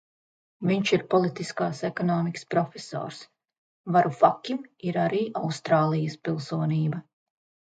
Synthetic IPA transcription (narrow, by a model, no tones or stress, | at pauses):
viɲʃiɾpɔlˠit̪iskaːsekɔnɔːmikə̥spɾɔfʲeso̰ːɾs | vaɾufakʲimiɾaɾiːʔawst̪ɾaːlˠijəspilˠsuɔniːbɐ